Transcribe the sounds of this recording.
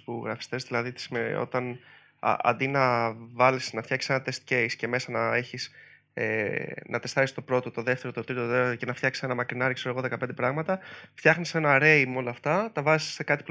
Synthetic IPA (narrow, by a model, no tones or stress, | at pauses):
poɣɾɐfi̥st̪e̞zðilɐðit̪i̥smeo̞̰t̪ɐn̰ | ɐ̰nd̪inɐvɐlisnɐft̪jçɐkcisenɐt̪e̞st̪ce̞jsce̞me̞sɐnɐe̞çis | ḛnʔɐt̪e̞st̪ɐɾist̪o̞pɾo̞t̪o̞t̪o̞ðe̞ft̪eɾot̪ot̪ɾit̪oece̞nɐft̪çɐksi̥senɐmɐkɾinɐɾikseoɣoðe̞kɐpend̪epɾɐɣmɐt̪ɐft̪çɐxnise̞nɐɾe̞jmo̞lɐːft̪ɐt̪ɐvɐzi̥sekɐt̪i̥pl